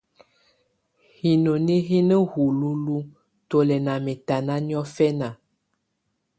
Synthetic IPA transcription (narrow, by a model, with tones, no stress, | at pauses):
hi˨no˨ne˦ɦi˦nə˦hu˨lu˦lu˦ | to˨lɛ˨na˨mɛ˨ta˨nã˦ɲ˦ɔ̃˦fɛ˦na˨